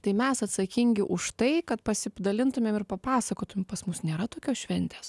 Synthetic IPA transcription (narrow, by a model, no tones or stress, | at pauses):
t̪ɐɪmʲɛsɐt̪sɐkʲɪŋʲɡʲɪʔʊʃt̪ɐɪkɐt̪pɐsʲɪpd̪ɐlʲɪnt̪ʊmʲeːmɪrpɐpɑːsɐkoːt̪ʊmʲeɛmpɐsmʊsnʲeːɾɐt̪oːkʲoːsʃʲʋʲɛnʲt̪ʲeːs